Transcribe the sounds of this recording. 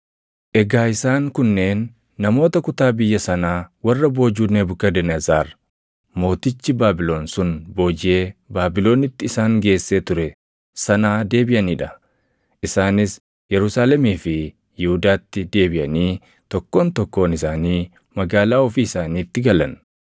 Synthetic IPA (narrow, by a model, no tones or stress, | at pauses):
ʔɛɡaːɪsaːŋkʊnːe̞ːnː | ɐmo̞ːt̪ɐkʊt̪aːbɪjːɐsɐnaːwɐrːɐbo̞ːd͡ʒuːneːbʊkːɐd̪ɛnɐzaːɾ | mo̞ːt̪ɪt͡ʃːɪbaːbɪlo̞ːnsʊnbo̞ːd͡ʒɪje̞ːbaːbɪlo̞ːnɪt̪ːɪːsaːŋɡe̞ːsːeːt̪ʊɾɛ | sɐnaːd̪e̞ːbɪʔɐniːᶑɐ | ʔɪsaːnɪs | jɛɾʊsaːlɛmiːfɪ | jɪhʊd̪aːt̪ːɪd̪e̞ːbɪʔɐniː | t̪ɔkːo̞ːnt̪ɔkːo̞ːnɪsaːniː | mɐɡaːlaːɔfiːsaːniːt̪ːɪɡɐlɐn